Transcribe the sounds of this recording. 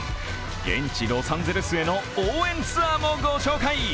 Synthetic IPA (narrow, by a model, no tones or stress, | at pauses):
ɡẽ̞̰ɲ̟t͡ɕiɡ̪osãnd͡zeɾɯsɨe̞no̞oːẽ̞nt͡sɨamoɡoɕo̞ːkai